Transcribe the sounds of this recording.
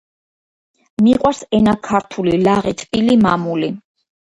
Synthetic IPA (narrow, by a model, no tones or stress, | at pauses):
miqʼwaɾsɛnakʰaɾt̪ʰulilaʁit̪ʰʼpʼilimamuli